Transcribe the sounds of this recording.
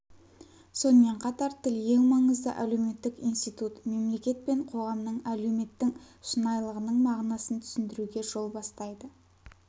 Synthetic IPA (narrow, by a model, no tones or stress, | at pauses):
so̞nəme̞ɴqʰɑt̪ɑɾt̪ʰɪlje̞ŋmɑɴəzd̪ə̰ʔælewme̞t̪ːɪkḭjnst̪ijt̪ut̪me̞mle̞kʲe̞t̪̚pe̞ɴqʰo̞ʁɑmnəɴælewme̞t̪ːɪŋ | ʃənɑjlˠəʁənəɴmɑʁnɑsənt̪ʰʏ̥sɪnd̪ɪɾuɡʲe̞ʒo̞lˠbɑst̪ɑjd̪ə